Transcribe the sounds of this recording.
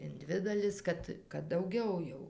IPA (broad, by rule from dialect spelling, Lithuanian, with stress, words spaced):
ɪn ˈdʲʋʲɪ dɐˈlʲɪs ˈkɐt kɐt dɐʊˈɡʲɛʊ jɛʊ